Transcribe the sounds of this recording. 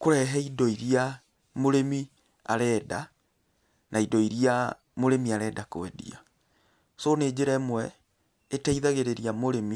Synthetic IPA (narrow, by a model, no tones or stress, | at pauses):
koɾɛɦɛidɔiɾia | moɾemi | a̰ɾɛːda | naidɔiɾia | moɾemiaɾɛːdakoɛ̰dḭa̰ | soneːd͡ʑeɾamwɛ | etaiðaɣeɾeɾiamoɾemi